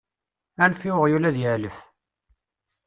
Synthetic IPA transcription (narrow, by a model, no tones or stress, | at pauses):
ænfiəʁjulæðjəʕləf